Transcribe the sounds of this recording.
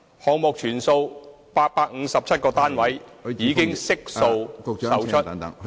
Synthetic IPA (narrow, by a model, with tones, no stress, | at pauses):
hɔː˨˧ŋ̚mʊ˨k̚t͡ʃʰyː˨˩nso˧w | paː˧t̚paː˧k̚ŋ̩˨˧˥sɐ˨p̚t͡sʰɐ˥t̚kɔː˧t̪aː˥nwɐ˨˥jjiː˨˧kɪ˥ŋsɪ˥k̚so˧wsɐ˨wt͡ʃʰɵ˥t